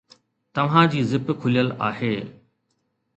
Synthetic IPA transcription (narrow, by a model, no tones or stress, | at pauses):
t̪ɐʋ̤ãd͡ʑiːzɪpkʰʊlijəlaːheː